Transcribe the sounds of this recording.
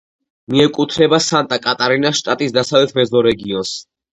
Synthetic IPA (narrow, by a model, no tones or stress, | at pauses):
miɛkʼut̪ʰɾɛbasant̪ʼakʼat̪ʼaɾinaʃt̪ʼat̪ʼisd̪asavlɛt̪ʰmɛzɔɾɛɡiɔns